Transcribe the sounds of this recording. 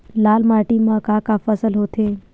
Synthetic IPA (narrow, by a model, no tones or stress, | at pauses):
laːlmaːɾʈimãkaːkafəsəlɦoːt̪ʰeː